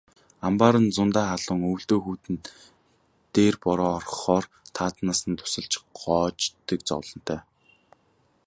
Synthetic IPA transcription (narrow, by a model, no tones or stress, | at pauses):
ampaːɾə̆nt͡sʊnt̪aːχaɮʊːŋɵwɬt̪oːxuːt̪ɘ̆n | t̪eːrpɔɾɔːrχɔːrt̪ʰaːt̪naːsə̆nt̪ʰʊ̥sə̆ɮt͡ɕɢɔːt͡ɕt̪ə̆kt͡sɔ̰wɮɞ̆n̥t̪ʰœː